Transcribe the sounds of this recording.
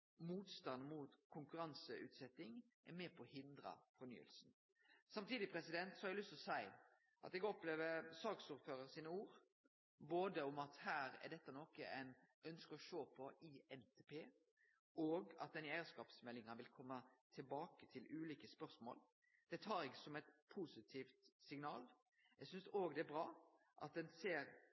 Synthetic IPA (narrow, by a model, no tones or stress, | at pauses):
muːt̪st̪ɑnmuːt̪kʰʊŋkʉɾɑnsəʉ̰ːt̪sɛt̪ːɪŋ | ʔɛɾmɛːpʰɔhɪnd̪ɾə̰fɔɾny̰ːə̰lsn̩ | sɑmt̪iːd̪ɪpʰɾɛsɪd̪ɛnt̪sɔhɑɡlʏst̪ɔsæɪ | ʔɑ̰t̪ɛɡɔpleːʋəsɑːksuːɾføːɾəɾsiːnəuːɾ | boːd̪əʊmɑt̪hæːɾɛ̰ɖ̪ɛt̪ːənoːkəæɪnœnskəɔʃoːpʰɔʔiːɛnt̪ʰeːpʰeː | oːɡɑ̰t̪̚d̪ɛnjæɪəskɑːpsmɛlːɪŋɑʋɪlkʰɔmːət̪ʰɪlbɑːkət̪ʰɪlʉːliːkəspœʁsmo̰ːl | d̪̥ɛt̪ʰɑːɾɛɡəsɔmɛt̪pʰusɪt̪ʰiːft̪sɪŋnɑːl | ɛɡsʏnsoːɡd̪ɛæbɾɑː | ʔɑ̰t̪̚d̪ɛnseːɾ